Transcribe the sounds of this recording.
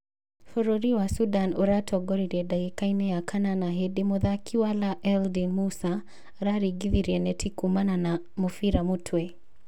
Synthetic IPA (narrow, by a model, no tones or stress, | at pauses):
fɔɾɔɾiwasudanuɾatʰɔɡɔɾiɾɛdaikainɛjakananaɦɛdimuðakʰiwalaʔɛldinmusa | ɾaɾiɡiðiɾiɛnɛtʰikumanana | mufiɾamutʰwɛ